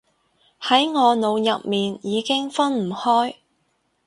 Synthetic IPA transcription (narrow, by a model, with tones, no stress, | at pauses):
hɐ˨˥jŋɔː˨˧no˨˧wjɐ˨p̚miː˨njiː˨˧kɪ˥ŋfɐ˥nm̩˨˩hɔː˥j